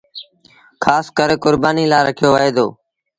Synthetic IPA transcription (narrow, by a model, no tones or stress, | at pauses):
kʰaːskəɾkʊɾbaːniːlaːɾəkʰɪjoːʋəeːd̪o̰ː